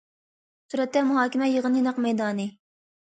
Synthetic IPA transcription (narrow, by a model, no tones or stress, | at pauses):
suɾɛt̪ːɛmuɦɑːkʲɪmɛjəʁənjinɑqmɛjd̪ɑːnɨ